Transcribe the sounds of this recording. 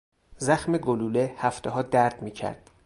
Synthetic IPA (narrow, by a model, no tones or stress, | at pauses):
zæxmeɡoluːlehæft̪ʰeɦɒːd̪æɾd̪̥miːcʰæ̰ɾd̪̥̚